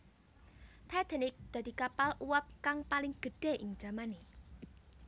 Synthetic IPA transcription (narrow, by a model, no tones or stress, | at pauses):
t̪ʰad̪̥e̤nɪk̚d̪̥ad̪̥i̤kapaluwap̚kaŋpalɪŋɡ̥ə̤ɖ̥e̤ʔɪŋ̥ʒ̥a̤mani